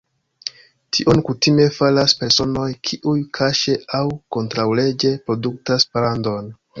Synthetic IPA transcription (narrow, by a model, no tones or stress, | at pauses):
tʰiʔonkutime̞falaspe̞ɾso̞no̞jkʰiʔujkʰaʃe̞awko̞ntɾawle̞d͡ʒe̞pɾo̞duk̚taspalando̞n